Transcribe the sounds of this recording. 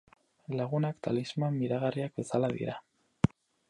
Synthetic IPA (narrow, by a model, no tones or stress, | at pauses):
laɣ̞unakt̪ʰalizmemːiðaɣariakbe̞salaðḭɾa